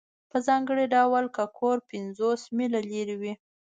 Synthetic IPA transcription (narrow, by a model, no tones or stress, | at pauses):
pəzɑŋɡəɽiɖawalkakʰoɾpɪnzosmilaleɾiwi